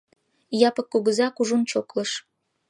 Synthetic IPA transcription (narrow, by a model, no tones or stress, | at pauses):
jɑpə̆kːuɣəzɑkuʒunt͡ɕokləʃ